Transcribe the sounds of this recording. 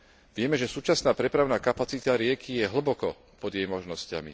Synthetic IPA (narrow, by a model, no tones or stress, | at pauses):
ʋɪɛmɛʒɛsuːt͡ʃasnaːpɾɛpɾaʊnaːkapat͡sit̪aɾɪɛkʰijɛɦl̩bɔkɔ | pɔd̪jɛjmɔʒnɔsca̰mḭ